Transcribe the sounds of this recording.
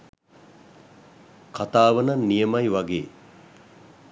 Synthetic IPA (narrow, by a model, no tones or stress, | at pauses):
kʰat̪aːʋənanːijəmajʋaɡḛː